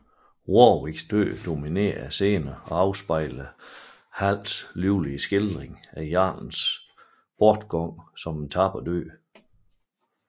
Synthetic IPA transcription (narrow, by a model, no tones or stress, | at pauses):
wɔʁiɡ̥sd̥ø̰ːd̥o̝mine̝̰ːɐse̝ːnɐɒ̽ɑ̈ʊsb̥ɑ̈ɪ̰lə | hæl̰̥sliʊliəsɡ̥eldʁeŋæjɑ̰̈ːnn̩s | b̥ɒːd̥ɡ̥ɒ̽ŋ̰sɒ̽ment͡sʰɑ̈b̥ɐd̥ø̰ː